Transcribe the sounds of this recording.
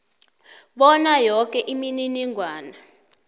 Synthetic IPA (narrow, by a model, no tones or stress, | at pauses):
ɓɔnajɔk̬ʼɛʔimininiŋʱwaːna